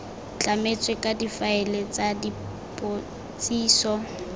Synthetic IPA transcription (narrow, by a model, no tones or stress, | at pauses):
t͡ɬʼamet͡sʼwekʼadifaɛlɛt͡sʼadi | pʼo | t͡sʼiːsɔ